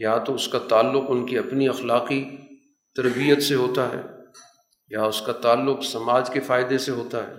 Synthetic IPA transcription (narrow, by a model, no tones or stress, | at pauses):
jat̪oʊskat̪aːlːʊqʊnkiɐpniɐxlaːqi | t̪ɐɾbijət̪seɦoːt̪aɦɛ̰ː | jaʊskat̪aːlːʊqsɐmaːd͡ʒkefaːɪd̪eseɦoːt̪aɦɛ̰ː